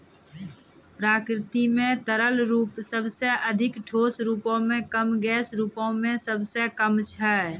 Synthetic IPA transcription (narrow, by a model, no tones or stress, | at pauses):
pɾaːkɾɪt̪imẽt̪əɾəlɾuːpsəbseʔəd̪ʱɪkʈʰoːsɾuːpõmẽkəmɡɛːsɾuːpõmẽsəbsekəmt͡ʃʰɛ